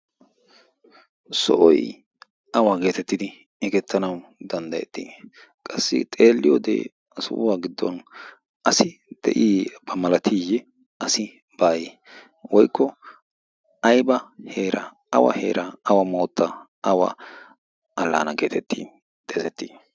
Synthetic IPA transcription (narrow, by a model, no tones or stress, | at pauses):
sɔ̰ʔɔ̰j | ɐwaɡe̞ːt̪ɛt̪ːɪd̪ɪ | ɪɡɛt̪ːɐnɐwd̪ɐnd̪ɐjɛt̪ːi | kʼɐsːɪ̰t̪ʼe̞ːlːɪjɔd̪ḛː | sʊ̰ʔʊwaːɡɪd̪ːɔ̰n | ʔɐsɪd̪̥ɛ̰ʔiːbɐmɐlɐt̪ʰijɛ | ɐsɪ | b̥aːjɛ | wɔjkːɔ | ɐjbɐheːɾɐ | ɐwɐ̰hḛːɾʔɐɐwɐmoːt̪ːɐ | ɐwɐ̰ | ɐlːa̰ːnɐɡe̞ːt̪ʰɛt̪ːḭː | d̪̥ʼezɛt̪ːiː